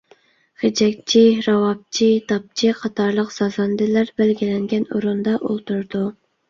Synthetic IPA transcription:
χed͡ʒɛk̚ʲt͡ʃʰiɾɑwɑp̚t͡ʃʰit̪ɑp̚t͡ʃʰiqʰɑt̪ʰɑɾlˠəqz̥ɑzɑnd̪ɪlæɾbælɡʲilɛŋɡʲɛnuɾund̪ɑʔṵlˠt̪uɾd̪u

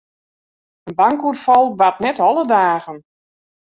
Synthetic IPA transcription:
ənbaŋkurfɔlˠʋatnɛtɔlˠədaːɣən

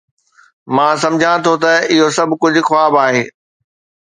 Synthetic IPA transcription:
mãːs̬ɐ̃md͡ʑʱãt̪ʰot̪ɐɪɦosɐbʱkʊd͡ʑʱʊ̆xwaːbaːɦeː

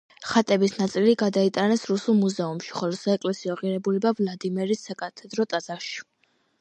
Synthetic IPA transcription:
χat̪ʼɛbisnat̪sʼiliɡad̪ait̪ʼanɛsɾusulˠmuzɛumʃi̥χɔlɔsaɛkʼlɛsiɔʁiɾɛbulɛbavlˠad̪imɛɾisːakʼat̪ʰɛd̪ɾɔt̪ʼad̪zaʃi̥

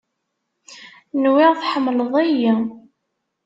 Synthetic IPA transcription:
nwɪʁθħəmːləðˤæji

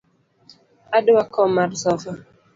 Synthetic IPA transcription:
adwakɔmarsɔfa

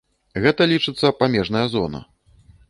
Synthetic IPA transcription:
ɣɛt̪ɐlʲit͡ʂɨt̪sːɐpamʲɛʐnɐjɐzɔnɐ̰

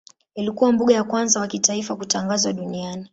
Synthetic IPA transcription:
ilikuwambuɠajakwanzawakitaifakutaŋɡazwaɗuniani

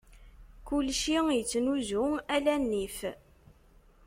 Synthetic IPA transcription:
kʊlʃijət͡sːnuzʊælænːif

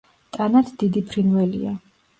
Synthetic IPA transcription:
t̪ʼanat̪ʰd̪̥id̪ipʰɾinvɛlḭa

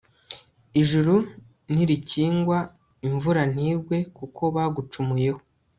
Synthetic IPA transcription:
iʒuɾu | n̥iɾiciːŋɡwa | iɱvuɾan̥iːɡwe̞kukʰo̞βaɡut͡ʃumujeho

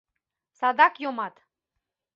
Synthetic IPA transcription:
sad̪akjomat̪

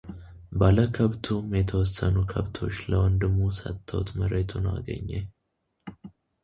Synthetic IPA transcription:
baləkʰəβt̪ʰumjɛt̪ʰəwɔsːənukʰəβt̪ʰo̞̰t͡ʃːləwɔnd̪ɨmːusə̰t̪ʰːəwt̪məɾet̪ʰunwa̰ɡə̰ɲːe

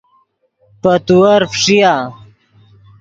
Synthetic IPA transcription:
pət̪uɐɾfʂija

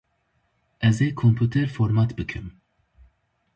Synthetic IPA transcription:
ʔɛzɛjkʰːɔmpjuːt̪ɛɾfɔɾmɐt̪bɨkʰɛm

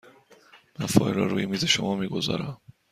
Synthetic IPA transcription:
mænfɒːjɾɒ̰ːɾṵːjemiːze̞ʃomɒːmiːɡo̞zɒ̰ːɾæm

